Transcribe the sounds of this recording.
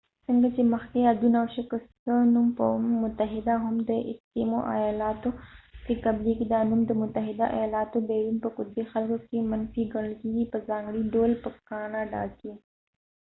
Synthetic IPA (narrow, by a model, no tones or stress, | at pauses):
sɪŋɡat͡ʃemɐxk̪ead̪unawʃɐkəst̪ənumpəmʊt̪əɦɪd̪aɦʊmd̪əɪ̰st̪imoʔa̰jaːlaːt̪okekɐblikid̪aːnumd̪əmʊt̪əɦɪd̪aʔa̰jaːlaːt̪obɛːɾuːnpəkʊt̪̚bexɐlkokemɐnfiɡɐɽlkiipəzaːŋɡɽiɖoːlpəkaːnaɖa̰ːke